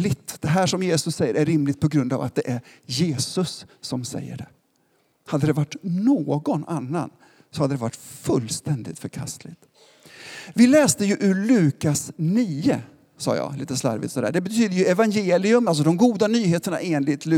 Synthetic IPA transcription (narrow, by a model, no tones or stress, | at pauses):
lɪt̪d̪̥ɛɦæːʂɔmjeːsɵsːɛjːəɾʔæɾːɪmlɪt̪̚pʰɔɡɾɵnd̪a̰va̰t̪̚d̪ɛʔæɾjeːsɵsːɔmsɛ̰jːə̰ɖɛ̰ | had̪ːəd̪ɛvaʈːnoːɡɔnanːa̰n | sɔhad̪ːəd̪ɛva̰ʈːfɵlːst̪ɛnd̪ɪ̰t̪fœɾkʰa̰st̪lɪɡt̪ | vɪlɛːst̪əjɵʔɵɾɭʉ̟ːkasniːə | sɑ̰ːjɑ̰ːlḭːt̪əsla̰ɾvɪ̰t̪sɔd̪æ̰ːɖɛbɛt̪ʰyːd̪əɾjɵɛvanjeːlɪɵmals̬ɔd̪ɔmɡuːd̪anyːɦeːt̪əɳa̰ʔeːnlɪt̪lʉ